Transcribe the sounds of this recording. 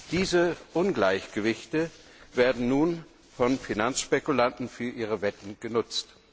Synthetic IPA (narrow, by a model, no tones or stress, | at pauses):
d̥iːzəʔʊnɡlaɪçɡ̥əvɪçtə | veːɐdn̩nuːn | fɔnfinansʃpekulantn̩fyːɐʔiːʁ̞əvɛtn̩ɡ̥ənʊt͡st